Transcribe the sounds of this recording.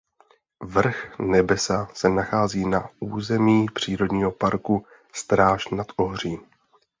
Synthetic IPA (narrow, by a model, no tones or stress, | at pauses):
vr̩xnɛbɛsasɛnaxaːziːnauːzɛmiːpr̝̥iːɾo̞dɲiːɦo̞paɾku | st̪ɾaːʃnat̪ʔoɦr̝iː